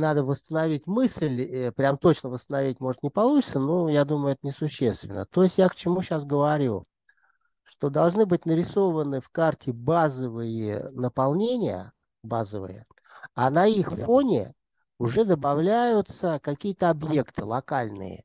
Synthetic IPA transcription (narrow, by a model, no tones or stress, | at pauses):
nad̪əvəst̪ənɐvʲitʲmɨslʲəpɾʲamt̪o̞t͡ɕnəvəst̪ənɐvʲitʲmo̞ʐət̪nʲɪpɐlˠut͡ɕɪ̥t̪sənojad̪uməjʊɛt̪ənʲɪsʊɕːe̞st̪vʲɪ̰nːə̰t̪o̞ɪsʲtʲjakt͡ɕɪmuɕasɡəvɐɾʲṵ | ʂt̪o̞d̪ɐlˠʐnɨbɨtʲnəɾʲɪso̞vənɨfkartʲɪbazəvɨjɪ̰nəpɐlˠnʲenʲɪjə̰ | bazəvɨ̰jə̰ | anɐixfonʲɪ̰ | ʊʐɛd̪əbɐvlʲæjʊt̪səkɐkʲijət̪əɐbje̞kt̪ɨlˠɐkalʲnɨ̰jə̰